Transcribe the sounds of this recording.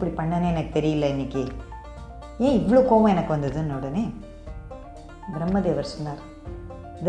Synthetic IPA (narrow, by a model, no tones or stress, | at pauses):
pːɐɽipɐɳːɐneːɛnɐkːɯt̪ɛɾɪjɪlːɐɪnːɪkːɯ | ẽːɪʋːɐɭoːkoːʋɐ̃ɛnɐkːɯʋɐnd̪ɐðɯnːɐːɽɐneː | bɾɐmːɐd̪eːʋɐɾsɔnːaːɾ | ɪð